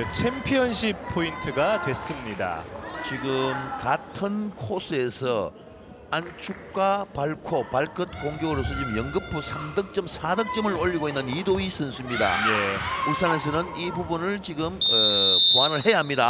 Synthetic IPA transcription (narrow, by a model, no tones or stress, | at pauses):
t͡ɕʰempʰjʌnɕ̬ʰipʰointʰɯɡadwe̞s͈ɯmɲida̰t͡ɕiɡɯmkatʰɯnkʰosʰɯe̞sʰʌ | ant͡ɕʰuk̚k͈wapaɭkʰopaɭk͈ʰɯt̚koŋɡjoɡɯɾosʰʌt͡ɕiɡɯmjʌŋɡɯpʰːusʰamdɯk̚t͡ɕ͈ʌmsʰadɯk̚t͡ɕ͈ʌmɯɾoʎːiɡoinːɯnidois͈ʰɯnsʰuimɲida̰jeusʰaŋes̬ʰʌnɯnibubunɯɭt͡ɕiɡɯmepoanɯɭhe̞jaɦamɲida